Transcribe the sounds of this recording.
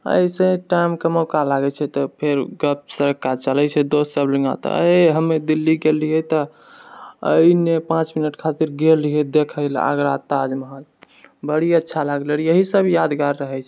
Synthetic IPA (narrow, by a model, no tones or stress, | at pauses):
ə̰jsẽʈajmkəməkalaɡɛt͡ʃʰɛt̪ɔpʰeɾɡəp̚səɾəkːat͡ʃəlɛt͡ʃʰɛd̪ossəbləŋɡa̰t̪ɔ̰ə̰ɦəmːed̪ilːiɡelijɛt̪ɔ | ə̰inepãt͡ʃminəʈkʰat̪iɾɡeliɦɛd̪ekʰəɪla̰ɡɾat̪ad͡ʒməɦal | bəɽiətːʃʰalaɡləɾjəɦisəbjad̪ɡaɾːəɦɛt͡ʃʰɛ